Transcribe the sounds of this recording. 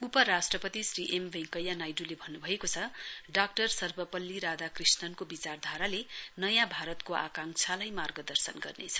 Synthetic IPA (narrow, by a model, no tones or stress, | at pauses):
upʌɾasʈrʌpʌt̪isriʔembẽŋkʌjanajɖulebʱʌnːubʱʌekot͡sʰʌɖak̚ʈʌrsʌrbʌpʌlːiɾad̪akrisnʌnkobit͡sard̪ʱaɾalenʌjãbʱaɾʌt̪koʔa̰kaŋt͡sʰalajmarɡʌd̪ʌrsʌnɡʌ̰rnet͡sʰʌ̥